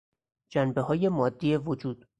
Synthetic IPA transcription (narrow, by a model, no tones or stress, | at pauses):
d͡ʒænbe̞ɦɒːje̞mɒːd̪ːiːevod͡ʒuːd̪̥